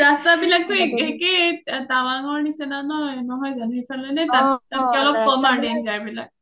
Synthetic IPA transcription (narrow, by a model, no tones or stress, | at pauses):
ɾastabilaɡ̚t̪ɔekeket̪awaŋɔɹnisenanɔnɔɦɔjzanipʰalɔjnɛt̪at̪atkeɔlɔb̚kɔmaɖinzajbilaɡ̚